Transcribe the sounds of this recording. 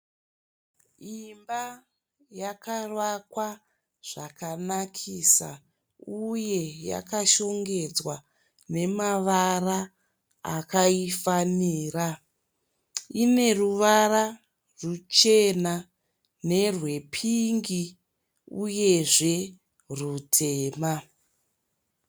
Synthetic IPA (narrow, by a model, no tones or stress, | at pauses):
imba | jakarwakwa | ʐ̥akanakʰisa̰ | uje̞ja̰kaʃo̞ŋɡe̞d͡zwa | ne̞maʋara | akaifaniːra | ine̞ruʋara | rut͡ʃe̞na | ne̞rwe̞pʰiŋɡi | uje̞ʐe̞ | rutʰe̞ːma